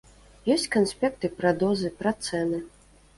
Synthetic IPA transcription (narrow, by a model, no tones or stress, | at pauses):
jɔsʲt͡sʲkansʲpʲɛkt̪ɨpɾad̪ɔzɨpɾat̪sɛnɨ